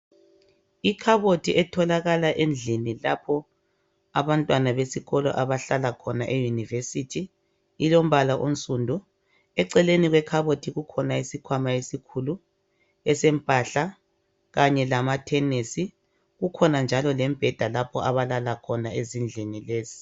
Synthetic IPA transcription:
ikʰaβotʰiʔɛtʰɔlaɣalaʔend͡ɮʱinilapʰɔ | aβantʼwanaβesiɣɔlɔ̰ʔaβaɬalakʰɔnaʔejunivesitʰiː | lom̩βalaʔon̩sʼundʱu | ɛǀɛleniɣwɛkʰaβotʰiɣukʰɔnaisikʰwamaesikʰulu | ɛsɛm̩pʼaɬa | ɣaɲɛlamatʰɛnesi | ɣukʰɔnand͡ʒʱalɔlɛmbʱɛd̥ʱalapʰɔʔaβalalakʰɔnaezind͡ɮʱinileːzi̥

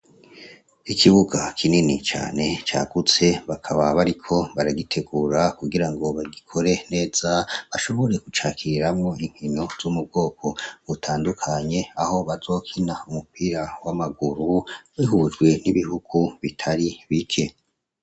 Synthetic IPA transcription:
ikʰiβuɡakʰininit͡ʃa̰ːne̞t͡ʃa̰ːɡ̥ut͡se̞βakʰaβaβaɾikʰo̞βaɾaɡitʰe̞ɡuɾakuɡiɾaŋɡo̞βaɡikʰo̞ɾe̞ne̞ːz̥aβaʃo̞βo̞ɾe̞kut͡ʃaːkiɾiɾamŋo̞iŋ̥hino̞z̥umub̚ɡo̞ːkʰo̞βutʰaːndukʰaɲe̞aho̞βazo̞ːkʰinaumupiɾawamaɡuɾuwiɦuʒɡwe̞niβihuɡ̥uβitʰaɾiβikʰe̞

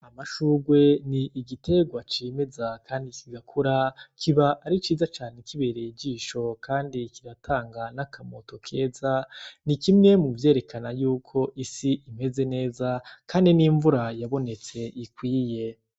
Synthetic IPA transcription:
amaʃuːɡwe̞niːɡite̞ɡwat͡ʃime̞zakʰaːndikʰiɡakʰuɾakʰiβaʔaɾit͡ʃiːzat͡ʃaːnekiβe̞ɾeiɟiːʃo̞kʰaːndikiɾatʰaːŋɡanakʰamo̞to̞kʰe̞ːzanikimŋe̞muvje̞ːɾe̞kʰanajuːkʰo̞ʔisiʔime̞ze̞ne̞ːzakaːndiniːɱvuɾajaβo̞ne̞t͡se̞ʔikwiːje̞

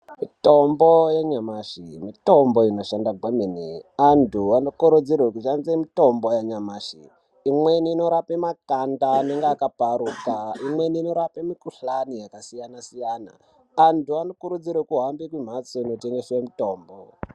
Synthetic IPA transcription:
mitombojeɲamaʃimito̞mbo̞ino̞ʃandaɡʱweminiantʰuanokuɾud͡zirwekuʃanzemito̞mbojaɲamaːʃḭ | imwe̞niːno̞ɾapemakandaːne̞ŋɡeakapaɾukaimwe̞niːno̞ɾapemikuɬanijakasijanasijana̰ː | ntuano̞kuɾud͡zirwekuɦambikwim̤at͡soino̞teŋɡe̞semito̞ːmbo

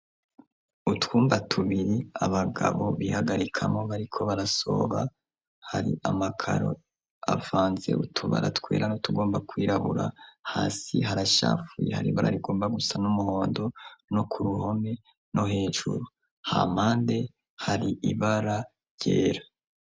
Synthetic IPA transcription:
utwuːmbatʰuβiɾiaβaɡa̰βo̞βihaɡaɾikʰamo̞βaɾikʰo̞βaɾaso̞̰βa | haɾḭʔamakʰa̰ɾo̞̰ | avaːnze̞̰ʔutʰuβa̰ɾa̰tkwe̞ːɾanotuɡo̞ːmbakwiːɾaβuɾa̰haːsiɦaɾaʃa̰ːfujḛha̰ɾiβaɾa̰ɾiɡo̞ːmbaɡusanumuho̞ːndo̞nokʰuɾuho̞me̞ | no̞he̞ːʒṵɾu | ha̰maːnde̞ | haɾiʔiβaɾa | je̞ːɾa

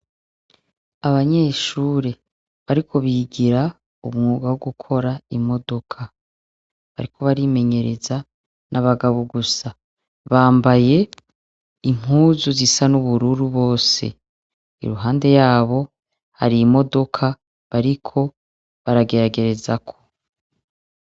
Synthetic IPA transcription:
aβaɲe̞ːʃuːɾe | βaɾikʰo̞βiɡiɾa | ṵmŋuːɡawoɡukʰo̞ɾaimo̞do̞kʰa | βaɾikʰo̞βaɾiːme̞ɲe̞ɾe̞za | naβaɡaβoɡusa | βaːmbaje̞ | im̥huːzuzisanuβuɾuɾuβo̞ːse̞̰ | ḭɾuɦaːnde̞jaːβo̞ | ha̰ɾiːmo̞do̞kʰa | βaɾikʰo̞ | βaɾaɡe̞ɾaɡe̞ɾe̞zakʰo̞̥

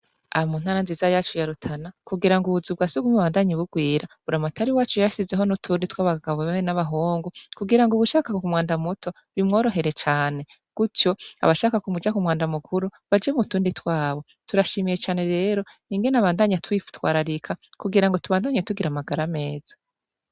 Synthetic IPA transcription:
a̰mun̥haːɾanziːzajaːt͡ʃujaɾutʰanakuɡiɾaŋɡuβuzub̚ɡaːsuɡumuβaːndaɲiβuɡwiːɾaβuɾamatʰaɾiwaːt͡ʃujaʃize̞ɦo̞nutʰuːnditwaːβaɡaβoβeenaβaɦoːŋɡukuɡiɾaŋɡuβuʃaːkakokumwaːndamutʰo̞ | βimŋo̞ːɾo̞ɦe̞ɾe̞t͡ʃaːne̞ | ɡ̥utjo̞a̰βaʃaːkakumud͡ʒakumwaːndamukʰuɾuβad͡ʒemutuːnditwaːβo̞ | tuɾaʃimijet͡ʃaːne̞ɾe̞ːɾo̞niŋɡe̞naβaːndaɲatwiftwa̰ːɾaɾikʰakuɡiɾaŋɡotuβaːndaːɲetuɡiɾamaɡaɾame̞ːz̥ḁ

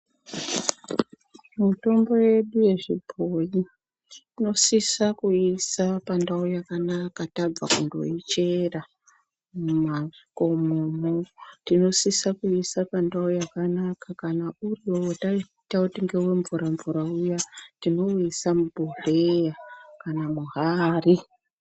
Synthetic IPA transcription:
muto̞mbo̞je̞ɗuje̞ʐibʱoji | ino̞sisakuisapandaujakanakatab͡va̰kṵndo̞̰it͡ʃe̞ra | maiko̞mumotino̞sisakuisapandaujakanakakanauriowota | tautiŋɡe̞weɱvuɾaɱvuɾaujatino̞isamubʱurejakanamuɦaːri

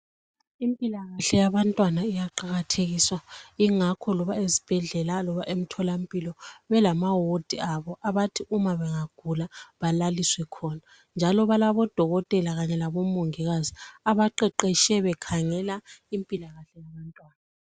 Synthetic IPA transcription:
impʼilaɣaɬɛjaβantʼwanaijaǃaɣatʰeɣiswaiŋakʰɔlɔβaezib̥ʱɛɮɛlalɔβaʔem̩tʰɔlampʼilɔβɛlamawod̥ʱiaβɔʔaβatʰiumaβɛŋaɡ̥ʱulaβalaliswɛkʰɔna | nd͡ʒʱalɔβalaβɔd̥ʱɔɣɔtʼɛlaɣaɲɛlaβɔmoŋiɣaziaβaǃɛǃɛʃɛβɛkʰaŋɛlaimpʼilaɣaɬɛjaβantʼwaːna

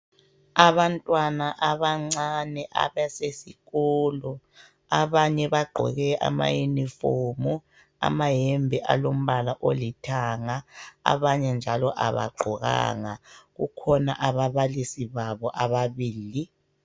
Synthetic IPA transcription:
aβantʼwanaʔaβaŋ͡ǀanɛʔa̰βasesiɣɔːlɔ | aβaɲɛβaɡ͡ǃʱɔ̰ɣɛʔa̰ma̰junifoːmu | a̰maɦɛmbʱɛʔa̰lom̩βalaʔolitʰaŋaa̰βaɲɛnd͡ʒʱalɔʔa̰βa̰ɡ͡ǃʱɔɣa̰ŋaɣṵkʰɔna̰ʔaβaβalisiβaβɔʔaβaβiːli

